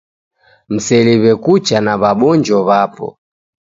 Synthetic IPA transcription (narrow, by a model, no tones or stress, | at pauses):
m̩sɛliβɛkut͡ʃanaβaɓɔnd͡ʒɔβapɔ̰